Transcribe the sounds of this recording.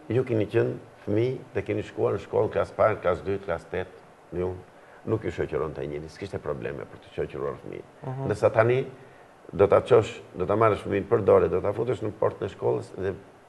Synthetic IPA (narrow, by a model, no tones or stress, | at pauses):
jukinicənfəmiðɛkiniʃkuaɾnəʃkɔ̰lˠklaspaɾklasd̪yt̪klast̪ɛt̪ | nəjun | nukjɔʃɔcuɾɔnt̪ɛ̰ɲɛɾiskiʃt̪ɛpɾɔblɛ̰mɛ̰pəɾt̪ə̥ʃɔcəɾua̰ɾfmḭ | nd̪əɾsat̪ani | d̪ɔt̪at͡ʃɔʃd̪ɔt̪amaɾəʃfəminpəɾd̪ɔɾɛd̪ɔt̪afut̪əʃnəpɔɾt̪nɛʃkɔlˠəsðɛ